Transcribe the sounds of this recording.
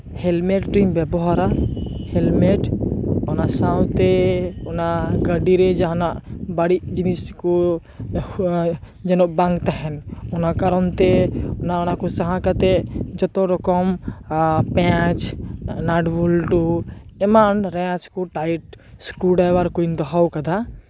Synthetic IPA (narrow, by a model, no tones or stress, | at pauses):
hɛlmeʈʈɾimbɛbɔɦaɾahɛlmeʈɔnasaw̃t̪ɛɔnaɡəɖiɾed͡ʒaɦnaʔbaɽid͡ʒinisku | d͡ʒɛnɔʔbãŋɡt̪aɦɛnɔnakaɾɔnt̪eɔnaonakusaɦãkət̪ed͡ʒɔt̪oɾɔkɔm | pɛ̃t͡ʃnaɖbulʈuemanɾɛ̃t͡ʃkoʈajʈ | skuɖajwaɾkuind̪ɔɦawkad̪a